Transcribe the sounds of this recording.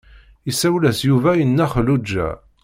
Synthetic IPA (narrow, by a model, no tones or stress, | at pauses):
isæwlæsjuvæjənːæχəlud͡ʒːæ̰